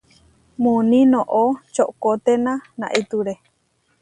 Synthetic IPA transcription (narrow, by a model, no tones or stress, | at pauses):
mũnĩnõʔot͡ʃoʔkot̪enãnã̰ʔit̪uɾe